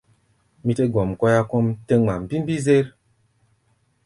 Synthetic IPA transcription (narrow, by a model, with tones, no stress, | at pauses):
mi˦te˦ɡɔ˨mkɔ˦ja˦kɔ˦mte˦ŋma˨m˨bi˦m˦bi˦ze˦ɾ